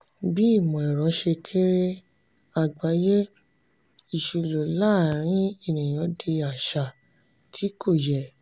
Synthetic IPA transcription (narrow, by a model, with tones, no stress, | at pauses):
bi˦˨mɔ̃˨ɛ˨ɾɔ̃˨˦ʃe˧kʰe˦ɾe˦ | a˨ɡ͡ba˨˦je˦ | i˨ʃu˧lo˨la˦˨ɾ̃ĩ˨˦e˦˨nĩ˨j̃ɔ̃˨˦de˧a˨ʃa˨ | tʰi˨˦kʰo˦˨jɛ˨